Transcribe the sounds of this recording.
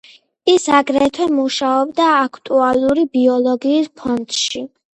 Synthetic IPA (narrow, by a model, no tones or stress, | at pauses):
isaɡɾɛt̪ʰwɛmuʃaɔbd̪aːkʰt̪ʼualˠuɾibiɔlˠɔɡiːspʰɔnd̪̥ʃi